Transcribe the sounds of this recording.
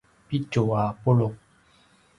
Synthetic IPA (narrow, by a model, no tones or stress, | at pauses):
pitoapolo